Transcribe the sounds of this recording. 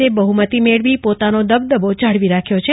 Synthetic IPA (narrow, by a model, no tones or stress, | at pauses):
ebəɦumət̪imeɭʋipot̪anod̪əbd̪əbot͡ʃaɽʋiɾakʰjot͡ʃʰe